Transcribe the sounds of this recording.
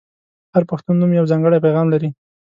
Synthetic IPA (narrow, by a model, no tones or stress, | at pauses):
haɾpaxt̪unːumjawzɑŋɡəɽajpajɣɑmlaɾi